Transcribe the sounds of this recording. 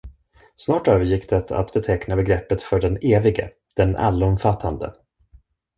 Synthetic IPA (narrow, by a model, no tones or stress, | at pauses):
snɑːʈøːvəɾjɪkːd̪ɛt̪ʰa̰t̪bɛt̪ʰɛknabɛɡɾɛpːət̪fœɖɛneːvɪɡə̰ | d̪̥ɛnʔa̰lːɔmfat̪ʰːand̪ə̰